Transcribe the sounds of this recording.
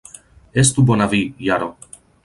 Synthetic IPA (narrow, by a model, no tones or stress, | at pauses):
est̪ubonavijaɾo